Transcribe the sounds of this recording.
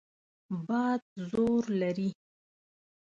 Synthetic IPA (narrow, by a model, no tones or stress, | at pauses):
bɑd̪̚zoɾlaɾi